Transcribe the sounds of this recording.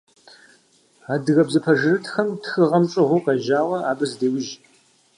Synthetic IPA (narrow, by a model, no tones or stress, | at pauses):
aːdɨɣɐbzɨpʰɐʒɨrɨtʰxɐmtʰxɨʁɐmʈ͡ʂʼɨʁʷʊqɐʒaːʁɐaːbɨzdeːwʊʒ